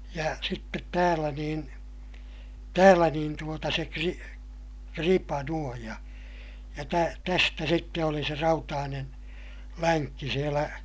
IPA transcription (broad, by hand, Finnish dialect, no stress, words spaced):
jɑ sitːet tæːlæ niːn tæːlæ niːn tuotɑ se kri kripɑ nuoj jɑ jɑ tæ tæstæ sitːe oli se rɑutɑːnen læŋkːi sielæ